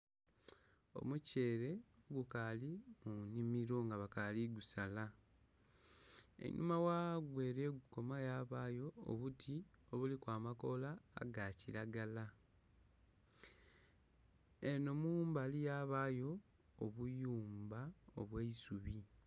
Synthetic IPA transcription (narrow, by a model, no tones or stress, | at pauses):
o̞̰muce̞ːɾe̞oɡukalimunimiɾo̞ŋɡaβakaliɡusala | ḛnʔṵmawaɡwe̞ːɾe̞ɡuko̞majaːβaːjo̞̰ːβutʰio̞βulikwaːmako̞la̰ːɡaciɾaɡala | eno̞mumbaːlijaːβaːjo̞ː | βujuːmbao̰βweisuβi